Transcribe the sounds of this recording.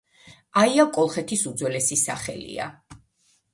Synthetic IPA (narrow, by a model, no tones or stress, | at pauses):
aiakʼɔlˠχɛt̪ʰisud̪zwɛlɛsisa̰χɛ̰lḭa̰